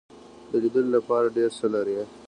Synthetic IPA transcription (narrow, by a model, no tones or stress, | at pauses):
d̪əlid̪əllapɑɾaɖeɾsəlaɾe